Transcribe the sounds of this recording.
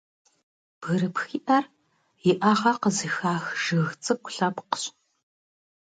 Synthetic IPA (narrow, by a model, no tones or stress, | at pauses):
b̥ɣɨɾɨpxiːʔɐr | jɪʔɐʁɐqəzɨxaːxʒ̥ɨɣt͡sʼɨkʷʊɬɐpqə̥ɕʼ